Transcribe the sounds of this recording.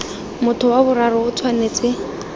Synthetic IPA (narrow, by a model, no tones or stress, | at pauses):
mʊtʰʊwabʊrarɔʊt͡sʰwaneːt͡sʼɪ